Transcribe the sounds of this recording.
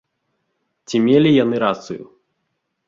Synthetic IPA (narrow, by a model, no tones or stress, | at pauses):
t͡sʲimʲelʲijanɨɾat̪sɨjṵ